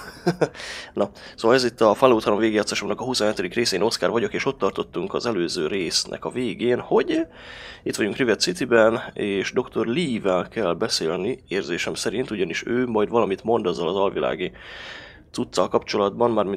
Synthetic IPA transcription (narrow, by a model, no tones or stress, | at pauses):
nɒsoːvɒlɛzit̪ːɒfalːoːt̪hɒlo̞mveːɡeːɒt̪sːɛʃomnɒkɒɦusonɦɛt̪ɵd̪ikreːsɛeːno̞skaːrvɒɟo̞keːʃo̞t̪ːɒrt̪o̞t̪ːuŋkɒ̰zɛløːzøːɾeːsnʔɛ̰kɒveːɡeːnho̞ɟ | it̪ʋɒɟuŋkrivɛt̪sit̪ibɛneːʃd̪o̞kt̪ʰo̞rliːvɛlkɛlːbɛseːlnieːrzeːʃɛmsɛɾint̪uɟɒniʃøːmɒjd̪vɒlɒmit̪mo̞nd̪ɒzːɒlɒzɒlvila̰ːɡi | t̪sut̪sːɒlkɒpt͡ʃo̞lɒd̪bɒnmaːrmi